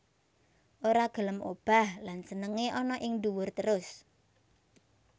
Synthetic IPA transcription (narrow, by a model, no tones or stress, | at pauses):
ʔoɾaɡ̥ə̤ləmob̥a̤hlansənəŋeʔɔnɔʔɪŋd̪uwʊrt̪əɾʊs